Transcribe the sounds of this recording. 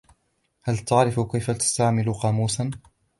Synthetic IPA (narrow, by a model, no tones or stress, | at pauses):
halt̪aʕɾɪfkajfat̪ḁst̪aʕmɪlʊqɑːmuːsan